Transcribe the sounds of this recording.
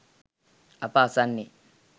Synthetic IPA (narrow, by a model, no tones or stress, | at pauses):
apaːsanːi